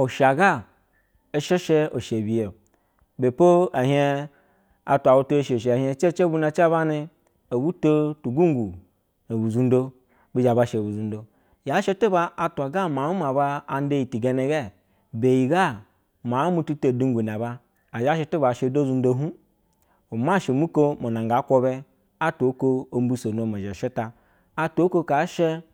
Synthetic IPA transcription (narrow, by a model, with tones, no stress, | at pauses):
o˨ʃa˨ɡa˦˨ | e˦ʃe˦ʃe˦o˨ʃe˨bi˨je˨ | be˨po˦a˨ɦe˦ | a̰˨tʷa˨wu˦to˦e˦ʃe˨ʃ̬e˨a˨ɦe˧˦t͡ʃe˦t͡ʃe˦bu˦na˧t͡ʃa˦ba˦ni˧ | o˨bu˦to˦tu˨ɡu˦ŋ˦ɡu˨ | o˨bu˨zu˦n̩˦do˧ | bi˦d͡ʒa˨ba˦ʃe˨bu˨zu˨ndo˨ | ja˨˦ʃe˦to˦ba˦ʔa˨tu˨a˨ɡa˦ma˨u˦ma˨ba˧a˨n˦de˦ji˨ti˨ɡe˦ne˨ɡe˦˨ | be˨ji˨ɡa˦ | ma˨˦mu˦tu˦to˨du˦ŋ˦ɡʷu˨n˨a˨baː˧˨ | d͡ʒa˦ʃe˦ti˦ba˨ʃe˧˨do˦zu˦n̩˦do˦ɦu˦ | u˨ma˦˨ʃe˨mu˦ko˦mo˨na˨ŋɡa˨˦kʷo˧be˦ | a˦to˨˦ko˦o˨˦m˦bu˦so˨no˨m˨a˨ʒa˨ʃe˦ta˨ | a˦tʷo˦ko˦ka˨˦ʃe˦